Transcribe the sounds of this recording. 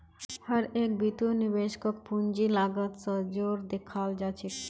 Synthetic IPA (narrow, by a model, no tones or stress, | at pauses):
həɾek̚bit̪unibeʃkokpund͡ʑilaɡət̪səd͡ʑoɾd̪ekʰald͡ʒat͡ɕʰi